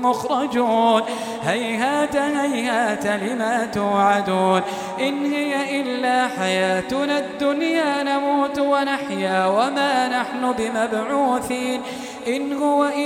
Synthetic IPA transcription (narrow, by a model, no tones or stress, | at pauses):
mʊxɾˤɑd͡ʒuːn | hajhaːt̪ahajhaːt̪alɪmaːt̪uːʕad̪uːn | ʔɪnhɪjaʔɪlːaːħajaːt̪ʊnad̪ːʊnjaːnamuːt̪wanaħjaːwamaːnaħnʊbɪmabʕuːθiːn | ʔɪnhʊwaʔɪ